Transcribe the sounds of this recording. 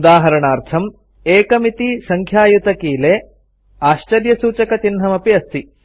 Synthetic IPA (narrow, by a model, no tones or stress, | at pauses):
d̪aːɦɐɾɐɳaːɾt̪ʰɐm | eːkɐmit̪isɐŋkʰjaːjut̪ɐkiːleː | aːʃt͡ʃɐɾjɐsuːt͡ʃɐkɐt͡ʃinɦɐmɐpiɐst̪i